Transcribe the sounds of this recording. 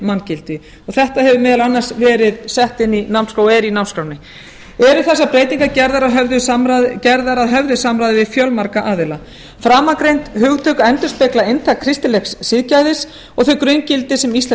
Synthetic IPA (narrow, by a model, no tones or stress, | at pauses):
mancɪlt̪ɪ | ɔɣθɛht̪ahɛvʏmɪːðalanːḁsvɛːɾɪðsɛht̪ɪnːinawmnskawɛɾinawnskɾaːwnɪ | ɛɾʏɾθɛsːapɾeːjt̪iŋkacɛɾðaɾaðɦœvðʏsɾaðcɛɾðaɾaðɦœvðʏsamɾajðɪvɪðfjœlmaɾkaʔaːðɪla | fɾaːmakɾejnt̪hʏɣt̪ʰœːkaɛnt̪ʏ̥spɛklaejnt̪ʰakʰɾɪst̪ɪlɛxssɪðcajðɪs | ɔɣθœkɾʏjncɪlt̪ɪsɛmist̪lɛ